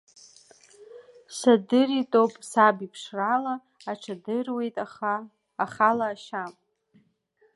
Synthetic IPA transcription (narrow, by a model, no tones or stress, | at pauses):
sadɨritʼowpʼsabipʰʂralaː | ʈ͡ʂʰadɨrwe̞jtʼa | aχalaːʃamʼ